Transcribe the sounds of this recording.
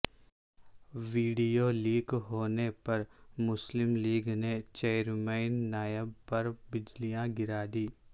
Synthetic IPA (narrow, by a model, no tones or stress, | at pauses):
ʋiːɖijoːliːɡɦoːnepɐɾmʊslɪmliːɡnet͡ʃeːɾmeːnːaːjəbpɐɾbɪd͡ʒlijãɡɪɾaːd̪iː